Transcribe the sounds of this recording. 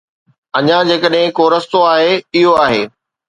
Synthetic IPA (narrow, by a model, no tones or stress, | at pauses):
ɐɲãd͡ʑeːkəɗɦɪ̃koːɾəst̪oaːɦeɪɦoaːɦeː